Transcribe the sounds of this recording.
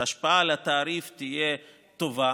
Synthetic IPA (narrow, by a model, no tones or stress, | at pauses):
aʃpaaleat̪aːɾift̪ije̞ | t̪o̞va